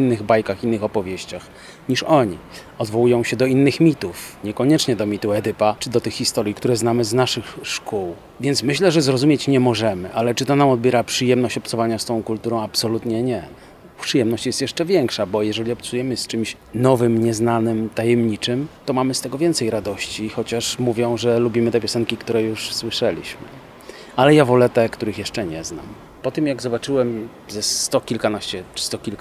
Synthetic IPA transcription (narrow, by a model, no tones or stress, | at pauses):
inːɘɣbajkaxinːɘxɔpɔvʲjɛɕt͡ɕax | ɲiʂɔɲḭ | ɔd̪vɔwujɔ̃w̃ɕɛd̪ɔinːɘxmʲit̪ufɲɛkɔɲɛt͡ʂɲɛd̪ɔmʲit̪uɛd̪ɘpat͡ʂɘd̪ɔt̪ɘxːist̪ɔɾʲjikt̪uɾɛznamɘznaʂɘxʂkuw | vʲjɛnt̪smɘɕlɛʐɛzɾɔzumʲjet͡ɕɲɛmɔʐɛmɘʔalɛt͡ʂɘt̪ɔnamɔd̪̚bʲjɛɾapʂɘjɛmnɔɕt͡ɕɔptsɔvaɲast̪ɔ̃w̃kult̪uɾɔ̃w̃apsɔlut̪ɲɛɲɛ | pʂɘjɛmnɔɕt͡ɕjɛst̪jɛʂt͡ʂɛvʲjɛŋkʂabɔjɛʐɛlʲiɔpt̪sujɛmɘst͡ʂɘmɕ | nɔvɘmɲɛznanɘmt̪ajɛmɲit͡ʂɘmt̪ɔmamɘst̪ɛɡɔvʲjɛnt̪sɛjɾad̪ɔɕt͡ɕixɔt͡ɕaʂmuvʲjɔ̃w̃ʐɛlubʲimɘt̪ɛpʲjɔsɛŋkʲikt̪uɾɛjuʂswɘʂɛlʲiɕmɘ̰ | alɛjavɔlɛt̪ɛkt̪uɾɘxjɛʂt͡ʂɛɲɛzna̰m | pɔt̪ɘmjaɡzɔbat͡ʂɘwɛm | zɛst̪ɔkʲilkanaɕt͡ɕɛt͡ʂst̪ɔkʲilk